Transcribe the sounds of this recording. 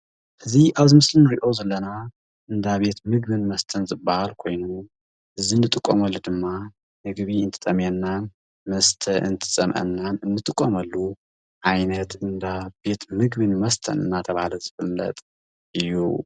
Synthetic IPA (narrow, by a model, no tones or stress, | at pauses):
ʔɨziʔaβzɨmɨslɨnɨɾiʔo̞zɐlːɐna | ʔɨnd̪aβe̞t̪mɨɡ̚bɨnmɐst̪ʰɐnzɨbahalkʰo̞jnu | ʔɨzinːɨt̪ʼɨkʼːomɐlːud̪ɨmːa | mɨɡβiɨnt̪ʰɨ̥t̪ʼɐmjɛnːan | mɐst̪ʰɐʔɨ̰nt̪ʰɨ̥t͡sʼɐmʔɐ̰nːanɨnːɨt̪ʼɨkʼːomɐlːu | ʕajnɐt̪ɨnd̪abe̞t̪mɨɡβɨnmɐst̪ʰɐ̰nɨnːat̪ʰɐβahalɐzɨfɨmlɐ̰t̪ʼ | ʔɨjːṵ